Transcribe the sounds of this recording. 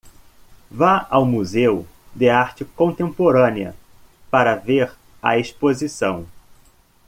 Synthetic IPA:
vaawmuzew | d̪ɪaɾt͡ʃɪkõnt̪ẽmpoɾɐ̃niɐ̰ | paɾɐveɾ | ɐ̰espozisɐ̰̃w̃

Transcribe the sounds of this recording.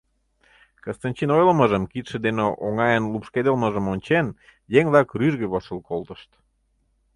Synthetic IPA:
kəst̪ɑnʲt͡ɕinojləməʒəmkit̪ʃĕd̪eneʔoŋɑjənlupʃked̪əlməʒə̆monʲt͡ɕen | jeŋβlɑkryʒɣeβoʃəlkolt̪ə̥ʃt̪

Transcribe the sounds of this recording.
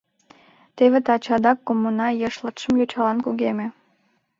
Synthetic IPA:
t̪eβet̪ɑt͡ɕɑd̪ɑkːomːunɑjəʃlɑt̪ʃəmjot͡ɕɑlɑnkuɣeme

